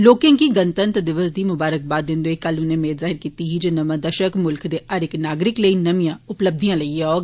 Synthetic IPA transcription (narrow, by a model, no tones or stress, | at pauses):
loːkɪ̃ŋkiːɡənt̪ənt̪əd̪ɪʋəsd̪iːmʊbaːɾək̚baːd̪ːɪ̃nd̪oːekːəlʊnẽːmeːt̪zaːɦɪɾkiːt̪iːɦiːd͡ʒəːnəmãːd̪əʃəkmʊlkd̪eːʔəɾɪknaːɡɾɪkləiːnəmijãːʊpləb̚d̪ijãːləiːɛɔː